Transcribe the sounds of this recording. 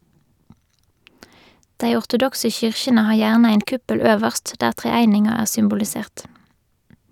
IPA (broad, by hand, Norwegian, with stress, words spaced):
ˈdeɪ ʊʁtʊˈdɔksə ˈçʏʁçənə ˈhɑːʁ ˈjæːʁnə ˈeɪn ˈkʉpəl ˈøːʋəʁst ˈdæːʁ ˌtʁeːˈæɪnɪŋɑ ˈæːʁ sʏmbʊlɪˈseːʁt